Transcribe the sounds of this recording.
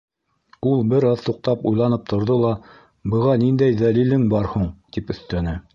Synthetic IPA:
ulˠbɘɾɑðt̪uq̚t̪ɑpujlˠɑnɤp̚t̪ʰŏɾðolˠɑ | bɤ̆ʁɑnind̪æjðælilɘŋbɑɾhuɴt̪ipɵ̆θt̪ænɘ

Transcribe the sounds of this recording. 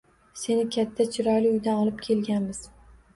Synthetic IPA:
se̞nɪkʲʰat̪ʰːat͡ʃʰɪɾɒjlɪʊjd̪anɒlˠɪp̚kʲʰe̞lɡʲanmɪz̥

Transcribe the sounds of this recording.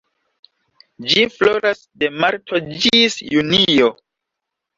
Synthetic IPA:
d͡ʒifloɾasde̞maɾtʰo̞d͡ʒisjunio

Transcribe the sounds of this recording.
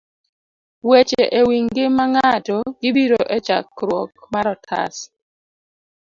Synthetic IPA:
wet͡ʃeʔewiŋɡɪmaŋatɔɡɪbiɾoʔɛt͡ʃa̰kɾwɔk̚maɾɔtʰa̰s

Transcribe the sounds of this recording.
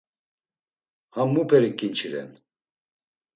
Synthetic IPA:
hamːupʰɛɾikʼint͡ʃʰiɾɛ̰n

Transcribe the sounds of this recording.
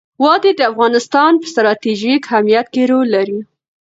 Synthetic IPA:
wɑd̪ed̪əafɣɑnɪst̪ɑnpə̥st̪ɾɑt̪iʒikhamijat̪keɾolaɾi

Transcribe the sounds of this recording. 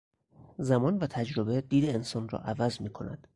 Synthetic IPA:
zæmɒːnvæt̪ʰæd͡ʒɾobed̪iːd̪eːnsɒːnrɒ̰ːʔævæzmiːkʰo̞̰næ̰d̪̥

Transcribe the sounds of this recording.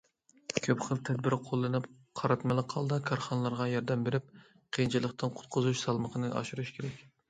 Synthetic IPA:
kʲʰøpχəlˠt̪ʰɛd̪bɪɾqʰolˠːɨnɨp | qʰɑɾɑt̪mɪlˠɨqʰɑlˠd̪ɑkʰɑɾχɑnəlˠɑɾʁɑjɑɾd̪ɛmbeɾɪp̚ | qʰent͡ʃʰilˠəqt̪ɨnqʰʊ̥t̪̚qʰʊzuʃsɑlˠməqʰənɨʔɑ̰ʃuɾuʃkʲʰeɾɛkʲ

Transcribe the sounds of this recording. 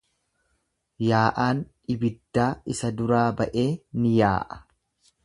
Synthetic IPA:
jaːʔaːn | ɪbɪd̪ːaːɪsɐd̪ʊɾaːbɐʔe̞ːnɪjaːʔɐ̥

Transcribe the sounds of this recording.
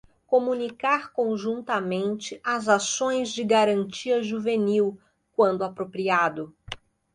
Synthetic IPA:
komũnikaɾkõʒũnt̪ɐmẽnt͡ʃɪʔɐzasõj̃zd͡ʒɪɡaɾɐ̃nt͡ʃiɐʒuveniw | kwɐ̃nd̪ʊapɾopɾiad̪ʊ

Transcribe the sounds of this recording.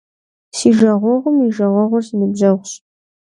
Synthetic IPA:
siːʒɐʁʷɔʁʷʊmiʒɐʁʷɔʁʷʊrsinɨbʑɐʁʷɕ

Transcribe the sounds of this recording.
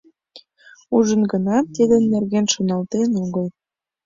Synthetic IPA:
uʒə̆nɡə̆nɑt̪ːid̪ə̆nːerɣenʃonɑlt̪enoɣəl

